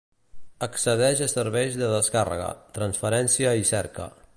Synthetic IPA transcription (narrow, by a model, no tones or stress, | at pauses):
əksəðɛʒəsəɾβɛjzðəðəskarə̰ɣə̰t̪ɾənsfəɾɛnsiəisɛɾkə̰